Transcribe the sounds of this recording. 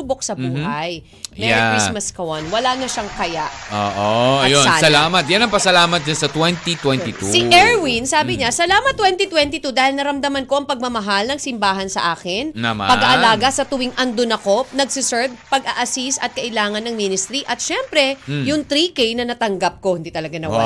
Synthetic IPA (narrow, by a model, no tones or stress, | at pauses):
ubok̚sɐbuːhaj | mɛaismɐskɐwanwɐlanɐʃaŋkɐjaʔo̰ːʔoɐjoasɐlamɐt̪̚janɐŋpɐsɐlaːmɐt̪̚d͡ʒansɐt̪wɛnt̪it̪wɛnt̪it̪usiʔɛɹwinsaːbɪɲasɐlaːmɐt̪ːwɛnt̪it̪wɛnt̪it̪ud̪aːhɪlnɐɾɐmd̪ɐmɐnko̞ʔɐŋpɐɡ̚mɐmɐɦalnɐŋsɪmbaːɦɐnsɐ̰ʔaːkɪnmapɐɡaʔɐlaːɡɐsɐt̪ʊwɪŋʔɐnd̪onɐko̞nɐɡsɪsɛɹv̚pɐɡɐʔɐsisɐt̪̚kɐʔɪlaːŋɐnɐŋminɪst̪ɾiʔɐt̪̚ʃɛmpɾɛjʊŋt̪ɾikɛjnɐnɐt̪ɐŋɡap̚ko̞hʊnd̪iːt̪ɐlɐɡanɐwa